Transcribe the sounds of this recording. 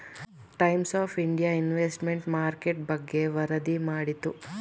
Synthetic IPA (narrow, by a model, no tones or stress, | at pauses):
ʈɐjmsaːpʰiɳɖijainʋeːsʈmeɳʈmaːɾkeʈ̚bɐɡːe̞ʋɐɾɐd̪imaːɽit̪u